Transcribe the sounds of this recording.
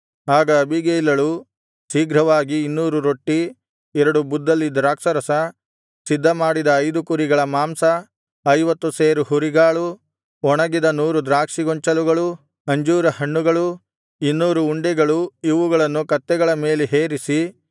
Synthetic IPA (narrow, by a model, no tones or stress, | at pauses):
aːɡɐːbʱiɡeilɐɭu | siːɡɾɐʋaːɡiːnːuːɾuɾo̞ʈːi | ɛɾɐɽubud̪ːɐlːid̪ɾaːkʂɐɾɐsɐ | sid̪ʱːɐmaːɽid̪ɐːjd̪ukuɾiɡɐɭɐmaːmsɐ | ɐjʋɐt̪ːuseːɾuɦuɾiɡaːɭu | ɔɳɐɡid̪ɐnuːɾud̪ɾaːkʂiɡɔɲt͡ʃɐluɡɐɭu | ɐɲd͡ʒuːɾɐhɐɳːuɡɐɭu | inːuːɾuːɳɖɛɡɐɭuiʋuɡɐɭɐnːukɐt̪ːɛɡɐɭɐme̞ːleɦeːɾisi